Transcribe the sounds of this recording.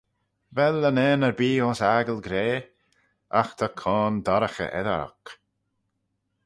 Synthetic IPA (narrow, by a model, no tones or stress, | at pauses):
vɛlːənɛːnəɹbiːɔnsaɡəlɡɾeː | axt̪ʰakʰɔːnd̪ɔɾəxə̰ʔɛ̰ðə̰ɾa̰k